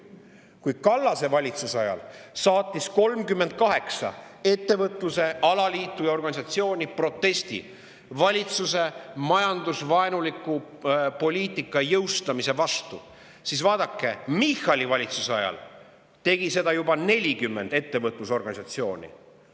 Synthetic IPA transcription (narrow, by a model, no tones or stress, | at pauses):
kujkɑlːɑse̞vɑlʲit̪susɑjɑ̰lsɑːt̪ʲːˑisko̞lmkymːed̪̥̚kɑɦe̞ksɑ̰e̞t̪ːe̞vɤt̪luse̞ʔɑlɑliːt̪ːˑujɑo̞rɡɑnʲisɑt̪sio̞ːnʲipro̞t̪ːe̞st̪ḭ | vɑlʲit̪suse̞mɑjɑnd̪usvɑenulikːˑu | po̞lʲiːt̪ːˑikːˑɑjɤwst̪ɑmise̞vɑst̪u | sisvɑːd̪̥ɑkːe̞mixɑlʲivɑlʲit̪susɑjɑ̰l | t̪e̞ɡ̥ise̞d̪̥ɑjubɑne̞lʲikymːe̞nd̪e̞t̪ːe̞vɤt̪ˑluso̞rɡ̥ɑnʲisɑt̪sio̞ːnʲḭ